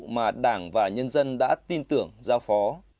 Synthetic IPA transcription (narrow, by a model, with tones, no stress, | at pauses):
maː˨˩ɗaː˧˩ŋvaː˨˩ɲə˧nzə˧nɗa̰ː˧˥t̪i˧nt̪ɨ˧˩əŋzaː˧wfɔ˨˦